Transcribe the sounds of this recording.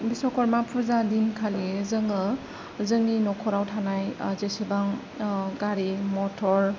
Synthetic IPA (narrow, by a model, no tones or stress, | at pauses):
bisɔkʰɔɾmapʰuɾzadinkʰalizɯŋɯ | zɯŋninɔkʰɔɾawtʰanajzesibaŋ | ɡaɾimɔtʰɔɾ